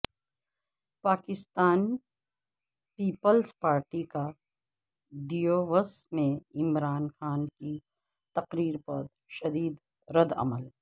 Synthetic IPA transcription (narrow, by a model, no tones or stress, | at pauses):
paːkɪst̪aːn | piːpəlspaːɾʈika | ɖijoːʋəsmẽɪmɾaːnxaːnki | t̪ɐqɾiːɾpɐɾ | ʃɐd̪iːd̪ | ɾɐd̪ɐ̰məl